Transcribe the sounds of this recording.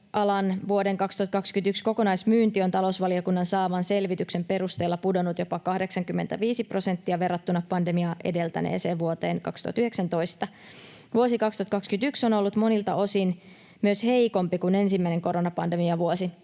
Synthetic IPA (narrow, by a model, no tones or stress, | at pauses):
ʔɑlɑnʋuodeŋkɑkst̪uhɑt̪kɑkskynt̪yksko̞ko̞nɑjsmyːnt̪io̞nt̪ɑlousʋɑliokunːɑnsɑːʋɑnse̞lʋit̪yksempe̞ɾust̪eːlːɑpudo̞nut̪jo̞pɑkɑhde̞ksɑŋkymːent̪æʋiːsipro̞se̞nt̪ːiɑʋe̞rːɑt̪ːunɑpɑnde̞miɑʔe̞̰de̞lt̪æ̰nḛːseːʋʋuot̪e̞ːŋkɑ̰kst̪ṵɑt̪yheksænt̪o̞ist̪ɑ | ʋuosikɑkst̪uhɑt̪kɑkskyt̪yksono̞lːut̪mo̞nilt̪ɑ̰ʔo̞sin | myøshe̞ikompikune̞nsimːæine̞ŋko̞ɾo̞nɑpɑnde̞miɑʋuosi